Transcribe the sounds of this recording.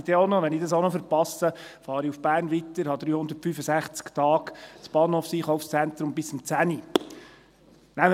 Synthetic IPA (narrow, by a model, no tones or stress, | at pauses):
id̥̪ɛonɔʋɛnɪdɑs̬oʊnɔfəɾpɑsəfɑːɾiufb̥æːɾnʋit̪əɾhɑd̪ɾyːhʊnd̪ətfyfəsæχt͡skt̪ɑːɡt͡sb̥ɑːnhoːfsiːχɔʊfst͡sænt̪ɾʊmbɪsʊmt͡sæni | næm